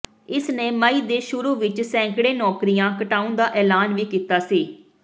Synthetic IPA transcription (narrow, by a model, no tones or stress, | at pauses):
ɪsnẽːməiːd̪eːʃʊɾuːʋɪt͡ʃsɛ̃ːŋkɽeːnɔːkɾijãːkəʈaːũnd̪aːʔɛːlaːnʋiːkiːt̪aːsiː